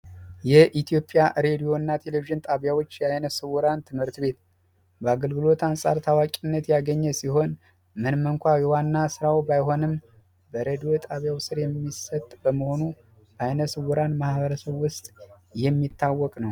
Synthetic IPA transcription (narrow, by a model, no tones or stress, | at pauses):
jɛʔit̪ʰijo̞pʼːjaɾe̞d̪ijo̞ɨnːat̪ʰe̞leviʒɨnt̪ʼaβjawo̞t͡ʃːjajnəsɨwɔɾant̪ʰɨmhɨɾt̪be̞t̪ | bəaɡəlɡɨlo̞t̪ansʼaɾt̪ʰawakʼinːət̪jaɡəɲːɛsiho̞n | mɨnmɨŋkʷajɛwanːasɨɾawbajɦo̞nɨm | bəɾed̪ijo̞t̪ʼaβjawsɨɾjɛmːisət̪ʼbəməho̞nu | ajnəsɨwɔɾanmahβəɾəsəβːʊst̪ʼ | jɛmːit̪ʰːawːɔkʼnəw